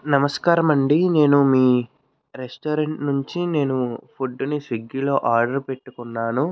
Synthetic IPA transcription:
nɐmɐskaːɾɐmɐɳɖine̞ːnumiː | ɾesʈoːɾeɳʈnuɲt͡ʃine̞ːnupʰuɖːunisiɡːilo̞ːʔaːɾɖɐɾpe̞ʈːukunːaːnu

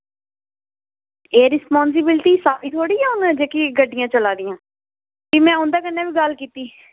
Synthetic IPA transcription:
eːɾɪspɔːns̬ɪbɪlʈiːsaːiːt̪ʰoːɽiːɛːʊnɛ̃d͡ʒeːkiɡəɖːɪjãːt͡ʃəlaːd̪ɪjãː | kimɛ̃ːʊ̃nd̪aːkənːaːbʋiːɡəlkiːt̪iː

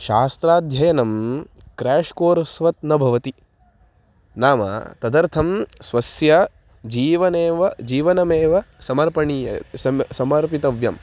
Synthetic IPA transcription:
ʃaːst̪ɾaːd̪ʱjɐjɐnɐm | kɾɛːʂkoːɾɐsʋɐt̪nɐbʱɐʋɐt̪i | naːmɐ̰t̪ɐd̪ɐɾt̪ʰɐmsʋɐsjɐ | d͡ʒiːʋɐneːʋɐd͡ʒiːʋɐnɐmeːʋɐsɐmɐɾpɐɳiːjɐɐsɐmɐɾpit̪ɐʋjɐm

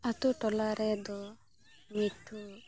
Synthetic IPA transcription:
at̪uʈɔlaɾed̪ɔ | miʈʰːu

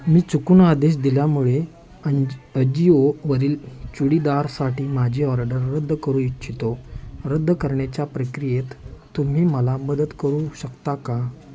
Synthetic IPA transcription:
miːt͡sukuːnad̪eɕ̬d̪iljamuɭe | əəd͡ʑioʋəɾiːlt͡suɽid̪aɾsaʈiːmad͡ʑʱiːɦɔɾaɖəɾːəd̪ʱːəkəɾũitːt͡ɕʰit̪oɾəd̪ʱːəkəɾɳjat͡ɕjapɾəkɾijet̪t̪ːum̤iːməlaməd̪əd̪kəɾuɕəkt̪aka

